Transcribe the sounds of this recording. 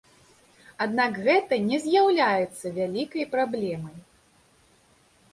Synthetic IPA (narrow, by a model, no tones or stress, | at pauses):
ad̪nakɣɛt̪ɐnʲɛzʲjawlʲajɛt̪sːɐvʲalʲikɐjpɾablʲɛmɐj